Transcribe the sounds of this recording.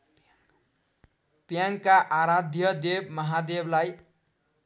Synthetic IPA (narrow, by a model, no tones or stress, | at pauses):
pjaŋkaʔaɾad̪ʱjʌd̪eb̚mʌɦad̪eblaj